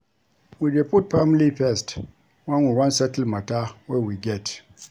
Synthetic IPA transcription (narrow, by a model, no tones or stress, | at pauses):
wid͡ʒeput̚famlifɛst | wãnwiwãnsɛtl̩matawɛwiɡɛt